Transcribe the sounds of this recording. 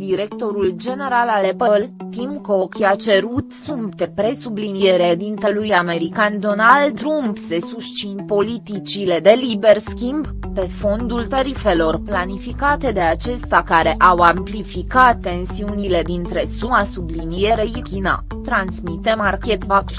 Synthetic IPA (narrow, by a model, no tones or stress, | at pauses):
d̪iɾe̞kt̪o̞ɾuld͡ʒe̞ne̞ɾalalepəlt̪imkookʲat͡ʃe̞ɾut̪sump̚t̪e̞pɾe̞sublinije̞ɾed̪int̪elujame̞ɾikand̪o̞nald̪ɾumpse̞suʃt͡ʃinpo̞lit̪it͡ʃile̞d̪e̞liberskʲimb | pe̞fo̞nd̪ult̪aɾife̞lo̞rplanifikat̪e̞d̪e̞at͡ʃe̞st̪akaɾe̞ʔawamplifikat̪ːe̞nsiunile̞d̪int̪ɾe̞sumasublinije̞ɾejikʲina̰ | t̪ɾansmit̪e̞markʲet̪vakʲ